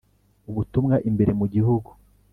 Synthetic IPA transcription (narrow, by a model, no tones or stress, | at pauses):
uβutumŋaʔimbe̞ɾe̞muɟihuɡu